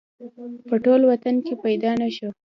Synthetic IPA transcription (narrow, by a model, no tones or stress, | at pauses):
pəʈolwat̪ankepajd̪ɑnaʃo